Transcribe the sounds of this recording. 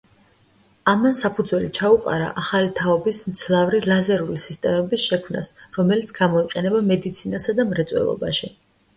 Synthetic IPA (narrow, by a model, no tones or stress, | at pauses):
amansapʰud̪zwɛlit͡ʃʰauqʼa̰ɾa̰ʔaχalit̪ʰaɔbismt̪sʰlˠavɾilˠazɛɾulisist̪ʼɛmɛbisʃɛkʰmna̰sɾɔmɛlit̪sʰɡamɔiqʼɛnɛbamɛd̪it̪sʰinasad̪amɾɛt̪sʼwɛ̰lˠɔ̰ba̰ʃi